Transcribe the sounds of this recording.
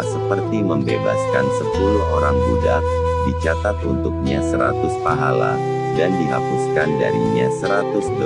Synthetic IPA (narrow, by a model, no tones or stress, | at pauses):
səpərt̪iməmbeba̰skansəpuɾuhʔoɾaŋbuda | dit͡ʃat̪at̪unt̪ʊk̚ɲasəɾa̰t̪ʊspaɦala̰ | dandiɦapuskanda̰ɾiɲasəɾat̪ʊsdə